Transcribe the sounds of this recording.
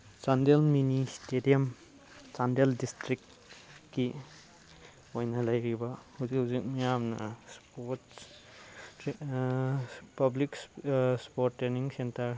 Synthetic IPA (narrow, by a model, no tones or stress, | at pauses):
t͡ʃandelministedijɐm | t͡ʃandeldistɾik̚ | ki | ojnalajɾibahuzikhuzik̚mijamnɐ̰spot | pɐbliksspoɾtːɾeniŋsentɐɾ